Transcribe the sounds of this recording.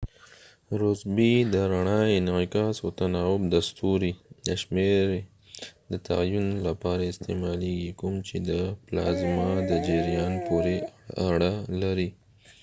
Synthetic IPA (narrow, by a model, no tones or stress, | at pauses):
ɾʊzbid̪əɾaɳɑjnikɑsot̪anɑwʊbd̪ast̪uɾid̪əʃmeɾ | d̪ət̪a̰junlapɑɾaɪst̪emɑleɡikʊmt͡ʃed̪əplɑ̰zmɑd̪əd͡ʒeɾjɑnpoɾeaɽalaɾi